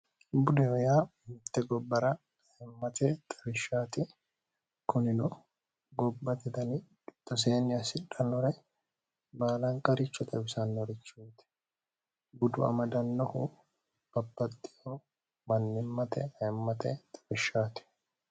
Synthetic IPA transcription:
bʊd̪ɛɔjaːmɪt̪ːɛɡɔbːɐɾɐ | ɛmːɐt̪ɛt̪ʼɐbɪʃːaːt̪ɪ | kʊnɪnɔ | ɡɔbːɐt̪ɛd̪ɐnɪkʼɪt̪ːɔs̬eːnɪjɐsɪᶑɐnɔɾɛ | baːlɐŋkʼɐɾɪt͡ʃːɔt̪ɐbɪsɐnːɔɾɪt͡ʃːuːt̪ɛ̥ | ɡʊd̪ʊɐ̰mɐd̪ɐnːɔhʊ | b̥ɐbːɐt̪ʼːɪjɔ | mɐnːɪmːɐt̪ɛ̰ɐɛmːɐt̪ɛt̪ʼɐbɪʃːaːt̪ɪ̥

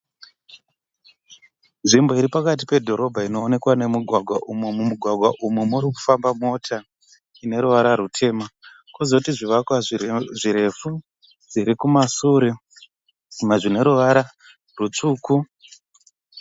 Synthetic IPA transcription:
nʐimbo̞iɾipakat̬i̥pe̞dʱo̞ɾo̞bʱaino̞ːne̞kwane̞muɡʱwaɡʱwaʔumwemumuɡʱwaɡʱwaʔumwemuɾiku̥fambamo̞tʰa | ine̞ɾuʋaɾaɾutʰe̞ːma | kwozokutiʐiʋakwaʐiɾe̞fu | d͡ziɾikumasuɾe | meʐine̞ɾuʋaɾa | rut͡ʂuːku

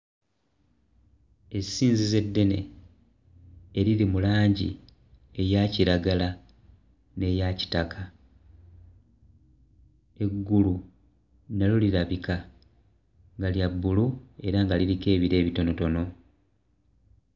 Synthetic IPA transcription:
e̞sːiːnzize̞dːe̞ne̞̰ | eɾiɾimulaːɲɟḭ | e̞jaciɾaɡala | ne̞jaci̥takʰa | e̞ɡːulu | naloliɾaβika | ŋɡaljabːulue̞ɾaŋɡaliɾike̞ːβiɾe̞ːβito̞no̞to̞no̞

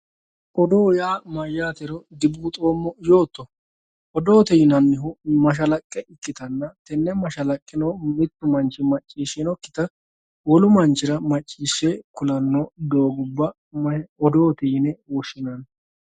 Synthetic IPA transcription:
ʔɔd̪oːjaːmɐjːaːt̪ɛɾɔɡ̪ɪbuːt̪ʼoːmːɔjoːt̪ːɔ | ʔɔd̪oːt̪ɛjɪnɐnːɪɦʊmɐʃ̬ɐlɐkʼːɛɪkʼːɪt̪ɐnːɐt̪ɛnːɛmɐʃɐlɐkʼːɪnɔmɪt̪ːʊmɐnt͡ʃːɪmɐt͡ʃʼːiːʃɛnɔkːɪ̥t̪ɐ | wɔlʊmɐnt͡ʃɪɾɐmɐt͡ʃʼːiːʃːekʊlɐnːod̪o̞ːɡʊbːɐ | mɐɔd̪oːt̪ɛjɪnɛwɔʃɪnɐn

